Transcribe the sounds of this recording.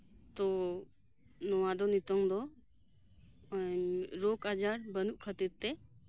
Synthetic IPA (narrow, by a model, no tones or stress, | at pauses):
t̪ɔ | nɔwad̪ɔnit̪ɔŋd̪ɔ | ɲɾɔkad͡ʒaɾbənuʔ̚kʰət̪iɾt̪ɛ